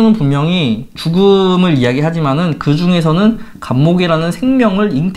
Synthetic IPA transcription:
nɯnpunmjʌŋit͡ɕuɡumɯɾijaɡiɦad͡ʑimanɯnkɯd͡ʑuŋe̞s̬ʰʌnɯn | kamːoɡiɾanɯnsʰe̞ŋmjʌŋɯɾint

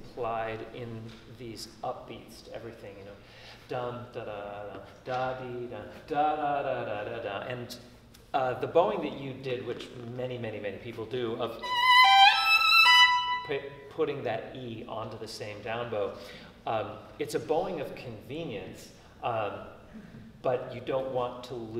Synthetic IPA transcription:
pʰl̥aɪɾɪ̃n | ðizʌp̚b̥itstʰɛ̰vɹiθɪ̃ŋjɨnoʊ | d̥ʌ̃md̥aɾadʌ̃nd̥adidʌ̃nd̥adadadadadʌʔɨ̃n | ðɨboʊɪ̃ŋðɨt͡ʃɨdɪd̚wɨt͡ʃmɛnimɛñimɛnipʰipl̩ˠdɨʌv̥ | pʰ | pʰʊɾɪ̃ŋðɨɾiɑ̰̃ntɨðɨsẽɪ̃mdãʊ̃nboʊ | ɨtsɨboʊɪ̃ŋʌv̥kʰɨ̃ɱvĩnjɨ̃ns | b̥ʌt͡ʃɨdõʊ̃nʔwɑ̃ntʰəl

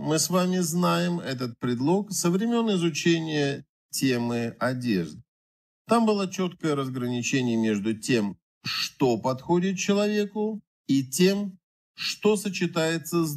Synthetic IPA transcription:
mɨsvamʲɪznajɪmɛt̪̬ət̪̚pɾʲɪd̪lˠo̞ksəvɾʲɪmʲe̞nːəɪzʊt͡ɕenʲɪjə | tʲe̞mɨɐdʲe̞̰ʐd̪ | t̪ambɨlˠat͡ɕot̪kəjəɾəzɡɾənʲɪt͡ɕenʲɪjəmʲe̞ʐd̪ʊtʲem | ʂt̪o̞pɐt̪xo̞dʲɪt̪̚t͡ɕɪlˠɐvʲe̞kʊ | itʲem | ʂt̪o̞sət͡ɕɪt̪ajɪt̪sə

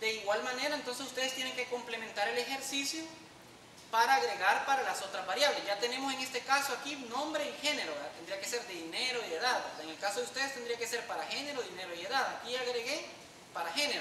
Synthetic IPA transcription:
d̪̥e̞iɣwalmane̞ɾaent̪o̞ns̬esust̪e̞ð̞est̪jeneŋke̞ko̞mplemẽnt̪aɾe̞lexe̞ɾsisjo | paɾaːɣɾeɣaɾpaɾalaso̞t̪ɾazβaɾjaβlesʝat̪ene̞mose̞ŋe̞st̪e̞kasoakinõmbɾeixe̞ne̞ɾoɣat̪end̪ɾiake̞se̞ɾd̪eðineɾoiðe̞ðaðpeŋe̞lkaso̞ðeust̪e̞ðest̪end̪ɾiake̞seɾpaɾaxene̞ɾoðineɾoieðaðakiaɣɾeɣe | paɾaxeneɾo

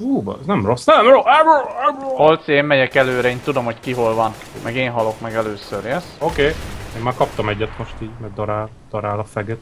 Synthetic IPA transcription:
uːb̰ɛznɛmrosːnɛmroɛ | holt̪seːmːɛɟɛkɛløːɾɛeːnt̪ud̪o̞mho̞ckiɦolvɒn | mɛɡeːnɦɒlo̞kmɛɡɛløːsøɾɛsokeːeːmːaːɾkɒp̚t̪ɒmɛɟːɛt̪mo̞ʃt̪iːɟmɛɡd̪ɒɾaːl | d̪̥ɒɾaːlɒfɛɡɛt̪

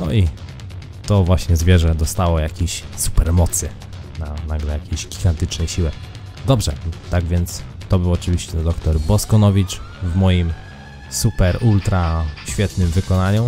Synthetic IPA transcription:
nɔ̰i | t̪ɔvwaɕɲɛzvʲjɛʐɛd̪ɔst̪awɔjakʲeɕsu̥pɛɾmɔt̪sɘ | nanaɡlɛjakʲeʑɡʲiɡant̪ɘt͡ʂnɛɕiwɛ | d̪ɔbʐɛ̰t̪aɡvʲjɛnt̪s | t̪ɔbɘwɔt͡ʂɘvʲiɕt͡ɕɛd̪ɔkt̪ɔɾbɔskɔnɔvʲit͡ʂ | vmɔjim | supɛɾult̪ɾaɕfʲjɛt̪nɘmvɘkɔnaɲu

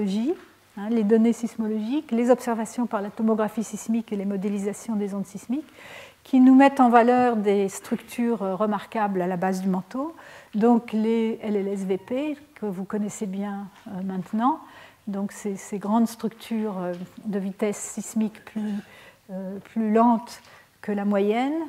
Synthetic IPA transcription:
ʒi | ɛ̃led̪ɔnesismɔlɔʒiklezɔpsɛʁvasjɔ̃paʁlat̪ɔmɔɡʁafisismikelemɔd̪elizasjɔ̃d̪ezõd̪sismikʰʲː | inumɛt̪ɑ̃valœʁd̪est̪χykt̪ʰyːʁʁəmaʁkablalabazd̪ymɑ̃t̪od̪ɔ̃kleɛlɛlɛsvepekəvukɔnɛsebjɛ̃ømɛ̃t̪nɑ̃ | d̪ɔ̃ksɛseɡʁɑ̃d̪st̪χyk̚t̪ʰyʁød̪əvit̪ɛsːismikply | øplylɑ̃t̪ | kəlamwajɛn

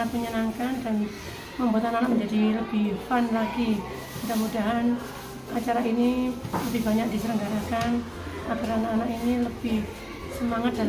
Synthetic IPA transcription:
aəɲənaŋkandan | məmbuat̪ananaʔmə̃ɲd͡ʒadiləb̥ɪhfanlaɡi | udamudaɦan | at͡ʃaɾainiləbɪhbaɲak̚d̥isəɾəŋɡaɾakan | akəɾanaanaʔiniləb̥ɪh | səmaŋat̪̚dal

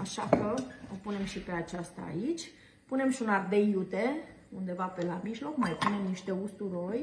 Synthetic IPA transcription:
aʃakəopune̞mʃipe̞at͡ʃast̪a̰ːit͡ʃʲ | pune̞mʃiunard̪e̞jut̪e̞ | und̪e̞vape̞lamiʒlo̞kmajpune̞mniʃt̪e̞ust̪uɾo̞jʲ

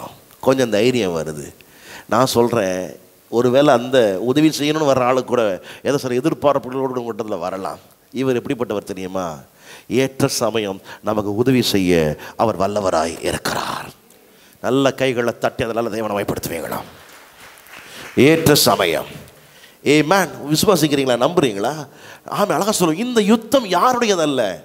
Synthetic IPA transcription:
kɔɲd͡ʒɐnd̪ɐjɾɪjɐmʋɐɾɯðɯ̰ | nãːsɔlrẽː | ɔɾɯʋeːlɛːnd̪ɐʊðɐʋisɛjːɐnoːnːɯʋɐɾɾɐaːɭɯkːuːɽɐɛðɐsɐlɐɛðɯɾpaːɾɐpːɐɾoːɽɽɯmkʊʈːɐðɪlɐʋɐ̰ɾɐlã̰ːm | ɪʋɐɾɛpːɐɽipːɐʈːɐʋɐɾt̪ɛɾɪjɯmaː | eːʈrɐsɐmɐjɐmnɐmɐkːɯʊðɐʋisɛjːɐʔɐʋɐɾʋɐɭːɐʋɐɾa̰ːj̰ɪ̰ɾɯkːɪɾa̰ːɾ | nɐlːɐkɐɪɣɐɭɭɐt̪ɐʈːiɐðɐnaːlɐd̪ɛːʋɐnɐmaːjɪpːɐɽɯt̪ːɯʋḛːŋɡɐ̰ɭã̰ː | eːʈrɐsɐmɐ̰jɐ̰m | eːmaːnʋɪsʊʋaːs̬ɪkːɪɾiːŋɡɐɭlaːnɐmbɯɾiːŋɡɐɭaːʔa̰ːmẽːɐlɐɣaːsɔl̃ːɪnd̪ɐjʊt̪ːɐmjaːɾɯɽɐjɐðɐɪlːɐ̰

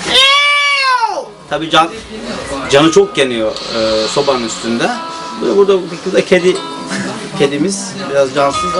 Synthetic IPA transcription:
t̪ʰabiːd͡ʒan | d͡ʒanɯt͡ʃʰok̚ɟenijoːso̞bannyst̪ʰynd̪ɛ | bud̪abuɾd̪akicʰizd̪acʰed̪i | cʰed̪imiz̥ | biɾazd͡ʒansɯz

